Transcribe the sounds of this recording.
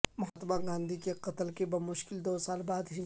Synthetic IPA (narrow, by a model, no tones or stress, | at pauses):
mʊɦaːt̪əbaɡãːnd̪ʱikeqɐt̪əlkebɐmʊʃkɪld̪oːsaːlbaːd̪ɦi